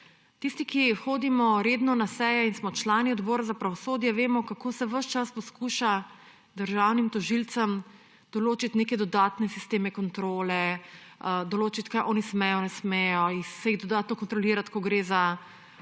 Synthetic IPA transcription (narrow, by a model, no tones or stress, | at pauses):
t̪ist̪ikixoːd̪imɔɾeːd̪nɔnasɛjɛinsmɔt͡ʃlaːniɔd̪bɔːɾazapɾaʋɔsoːd̪jɛʋeːmɔkakoːsɛʋəʃt͡ʃaspɔskuːʃa | d̪əɾʒawnimt̪ɔʒilt̪sɐm | d̪̥ɔloːt͡ʃit̪neːkɛd̪ɔd̪aːt̪nɛsist̪eːmɛkɔnt̪ɾoːlɛ | d̪ɔloːt͡ʃit̪kajʔɔːnismɛjɔnɛsmɛjɔixsɛjiɣd̪ɔd̪aːt̪nɔkɔnt̪ɾɔliːɾat̪kɔɡɾeːza